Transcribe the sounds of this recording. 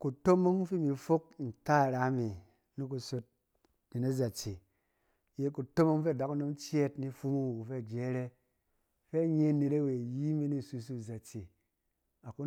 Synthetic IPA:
ku˨to˦mo˦ŋfi˦mi˨fo˦k̚n̩˨ta˦˨ɾa˨˦me˨ | ni˦k̬u˧so˧t̚ | ni˨na˦za˨t͡ʃe˨ | je˦ku˨to˦mo˦ŋfe˦˨da˨˦ku˦no˦mt͡ʃe˦tni˦fu˦mu˦wu˨ku˨fe˦˨d͡ʒe˨˦ɾe˦ | fe˦ɲe˦ne˨ɾe˦we˨ji˦mi˦ni˦˨su˧s̬u˦˨za˨t͡ʃe˨ | a˨ku˦

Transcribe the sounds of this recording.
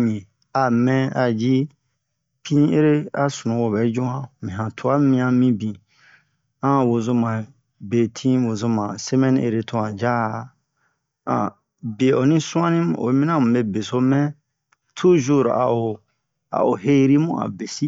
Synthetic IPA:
ɲẽ˨ | a˨mɛ̃˦a˨d͡ʒi˦ | pʰĩ˦ĩ˦e˦ɾe˦a˦su˨nũ˨wo˨bɛ˨˦d͡ʒũ˦ã˦mĩ˨ɦã˨tʰu˨a˦mĩ˦ã˧mĩ˦bĩ˨ | ã˦wo˨zo˧mã˨ | be˨tʰĩ˦wo˨zo˧mã˨se˦mɛ̃˦nĩ˦ʔe˨ɾe˦tʰũ˦ã˨d͡ʒa˦˨ | ã̰˨ | be˨o˨nĩ˦sũ˦ã˦nĩ˦m˨o̰˨˦mĩ˦nã˦mũ˨be˦be˨so˦mɛ̃˦ | tʰu˦ʒu˦˨ɾ̰a̰˨o˨ | a̰˨o˨ɦe˦ɾi˦mũ˦a̰˨be˨si˦

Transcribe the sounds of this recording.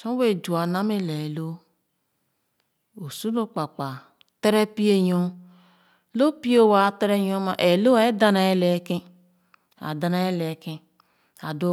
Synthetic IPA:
sõ˦we˦˨d͡ʒu˨a˨na˦me˦le˨e˨lo˦ | o˨su˦o˦k͡pa˨k͡pa˨ | te˦ɾe˦pi˦e˦jo˦ | lo˦pi˦o˦˨wa˨˦˨te˦ɾe˦jo˦ma̰˨ʔe˨lo˦a˨e˦da˦na˨e˦le˨˦ki˦ | a̰˨da˨na˨e˦le˨kĩ˦ | a˨do˦

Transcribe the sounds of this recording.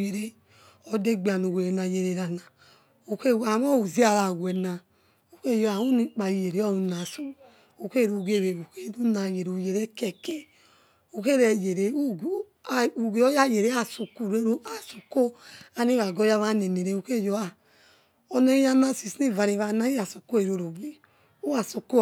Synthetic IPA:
je˨ɾe˦ | ɔ˧de˦ɡ͡bi˨a˨nu˨we˨ɾe˨na˨je˨ɾe˨ɾa˨na˨ | o˨ke˦˨wa˨m˦ɔ˦˨u˨zi˦a˨ɾa˨wʷɛ˨na˨ | u˨ke˦˨jo˨˦a˨u˦ni˨k͡pa˨i˨je˨ɾe˨˦ɔ˦nu˨˧na˨su˨ | o˨ke˦˨ɾu˨ɡe˨˦˨βe˨wu˨ke˦nu˦na˨je˨ɾu˨je˨ɾe˦kɛ˨ke˨ | o˨ke˦ɾɛ˨je˨ɾe˨˦˨ | u˨ɡe˨˦ɔ˦ja˦je˨ɾe˨˦a˦˨su˨ku˨ɾe˦ɾa˨su˨ko˦a˨ni˦βa˨ɡɔ˦ja˦βa˦ne˨ne˨ɾe˧˨u˨ke˦jo˨a˨ | ɔ˧nɛ˦ja˦na˦si˨si˦˨va˨ɾi˨βa˧˨na˦i˦ja˨su˨ko˦e˨ɾo˧ɾo˨bi˨ | u˦a˨su˨ko˦

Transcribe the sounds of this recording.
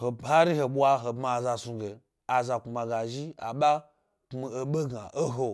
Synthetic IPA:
ho˨ha˦ɾi˦ɦe˨ɓʷa˧ɦo˨bma˨za˧su˧ɡe˨ | a˨za˨ku˨ma˨ɡa˨ʒi˦a̰˨ɓa˦ | kmi˦˨e˨ɓe˦ɡa˨ʔo˦ɦo˦

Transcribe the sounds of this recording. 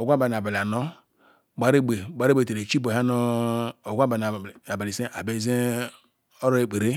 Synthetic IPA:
o˨ɡʷa˦ba˨n˨a˨ba˨la˨no˦˨ | ɡ͡ba˨ɾe˦ɡ͡be˨ɡ͡ba˨˦ɾe˦ɡ͡be˨te˨ɾe˨t͡ʃi˦bo˨ɦa˦no˦o˨ɡʷa˦ba˨n˨a˨ba˨li˨se˦ʔa˨be˨ze˦ | o˦ɾo˦e˦k͡pe˨ɾe˦

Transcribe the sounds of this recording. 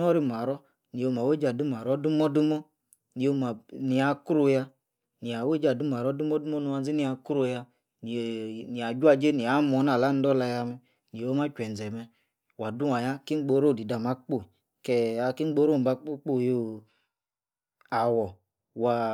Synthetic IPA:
nɔ˦ɾi˦˨m˨a˨ɾɔ˦ | ni˨o˧m˨a˨we˦d͡ʒa˨du˦m˨a˨ɾɔ˦du˦mɔ˦du˦mɔ˦ | ni˨o˦˧ma˨ni˨a˨˦ku˦ɾu˧ja˧ | ni˨a˨we˦d͡ʒa˨du˦m˨a˨ɾɔ˦du˦mɔ˦du˦mɔ˦nu˧wa˧n˦zi˦ni˦a˧ku˦ɾu˧ja˧ | ni˨ni˨a˨d͡ʒa˦˧d͡ʒe˦ni˨a˨˦mɔ˨˦na˨la˦n˦dɔ˦la˧ja˧mɛ˦ | ni˨o˦ma˦t͡ʃʷɛ˨n˨d͡zɛ˨mɛ˧ | wa˨du˦wa˨ja˦ki˦ŋ͡m̩˦ɡ͡bo˧˦ɾo˦˨di˨da˨ma˦k͡po˦˨ | kɛ˧a˧ki˦ɡ͡bo˦ɾo˦˨m˨ba˧k͡pu˦k͡po˦˨jo˦˨ | a˨wɔ˨ | wa˨

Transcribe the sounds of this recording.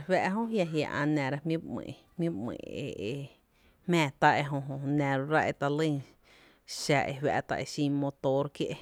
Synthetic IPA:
hwɛ˧ʔɦõ˦ɦja˧ɦja˧˨ʔã̰˧˨nɛ̃˨ɾa˧mjĩ˦bmḛ̃ː˧˨ʔhmjĩ˦bmḛ̃˧˨e˨ʔe˧ | mɛ̃ː˧˨t̪a˦e˧ɦõ˧ɦõ˧nɛ̃˨ɾo˧ɾa˦ʔe˧˨t̪a˧lə˦˧˨ | ʃa˧˨ʔḛ˧hwa̰˧ʔt̪a̰˧ʔe˧˨ʃĩ˧mo˧t̪o˧ɾkje˦ʔe˧

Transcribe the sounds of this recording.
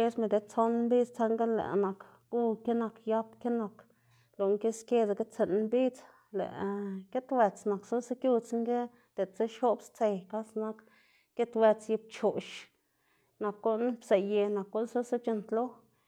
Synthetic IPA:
e˦sme˧˨d̪e˨t͡so˦n˦mbi˦t͡st͡sa˧˦ŋɡe˦lḛ˨ʔna˨k | ɡu˦ke˦na˧kja˦pke˦na˧k | lo˨ŋke˦skʲe˧d̪a˨ke˦t͡se˨n˧mbi˦t͡s | lḛ˨ʔke˦t̪we˧t͡sna˨kso˦se˦kju˦t͡sŋɡe˦ | d̪̥e˨t͡se˦ʃo˦bst͡se˧jka˦sna˦k | ke˦t̪we˧t͡sji˧p̚t͡ʃo˨ʃ | na˨kːo˦ʔn˦bse˨je˧na˨kːo˦lso˦se˦t͡ʃe˧nt̪lo˦

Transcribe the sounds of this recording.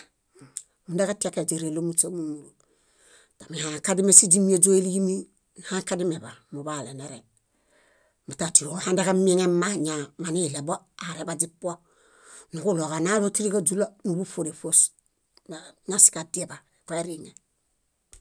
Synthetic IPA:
mu˨nde˦ka˦ti˦e˦ke˨d͡ʒe˨ɾe˨lo˦mu˦t͡ʃe˦mu˦mu˨lu˨ | ta˨mi˨ha˨ka˦di˦me˦si˦d͡ʒi˦mi˦e˦d͡ʒo˦i˦li˦ɡi˦mi˦ | n˨ha˦ŋka˦di˦me˨ba˨mu˨ba˦˨le˨ne˦ɾe˨ | mu˨ta˨ti˨o˨˦ha˦nde˦ka˦mi˦ŋe˦ma˦ɲa˨ma˨ni˦˨le˨bo˦ | a˨ɾe˨ba˨d͡ʒi˦pːo˦ | nu˨ku˦lo˨ka˨na˦lo˦ti˦ɾi˦ka˦d͡ʒu˦la˦mu˨bu˦fo˨ɾe˨fo˦s | na˦si̥˨ka˨di˦e˨ba˨ko˦e˦ɾi˦ŋe˨

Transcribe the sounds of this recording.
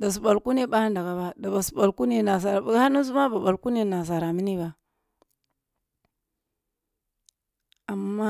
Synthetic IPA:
da˨s̬u˨ɓa˨lku˦ne˦ɓa˦a˦nda˨ɡa˨ba˦da˨ba˨su̥˨ɓa˨lku˦ne˦na˨s̬a˨ɾa˨˦ha˦nu˦z̬u˦ma˦ba˨ba˨lku˦ne˦na˨s̬a˨ɾa˨mi˦ni˦ba˨ | a˨mːa˦

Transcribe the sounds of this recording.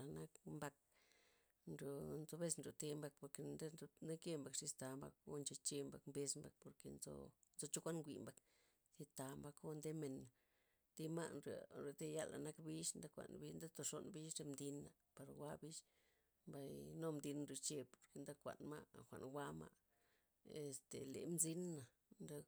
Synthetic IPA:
a˨na˦kmba˧k̚ | nɾo˨nzo˧be˦snɾo˨t̪e˧mba˧k̚po˨ɾke˧d̪e˦˧ne˦ke˦mba˨kʂi˧st̪a˧mba̰˧k̚o̰˦nt͡ʃe˧t͡ʃe˧mba˨kmbe˧smba̰˧k̚po˨ɾke˧nzo̰˧˦n˦o˧t͡ʃo˦kʷa˦nŋɡʷḭ˨mba˨k | zi˧t̪a˨mba˧ko˦nd̪e˦me˨na˨ | d̪i˦ma˦nɾa˨ɾe˧˨d̪e˦ja˦la̰˨na˦kbi˦ʃnd̪a˦kʷa̰˨nbi˦nd̪a˦t̪o˧ʂo˧nbi˦ʃɾe˧md̪i˧nːa˨ | pa˧ɾwa˦bi˦ʃ | mba˧jno˦md̪i˧nnɾu˧t͡ʃe˧po̥˨ɾke˧nd̪a˦kʷa̰˨nma̰˦˨xʷa̰˨nwʷa˦ma̰˧ | e˧st̪ḛ˨lḛ˨mzi˦nːa˨ | nd̪a˦

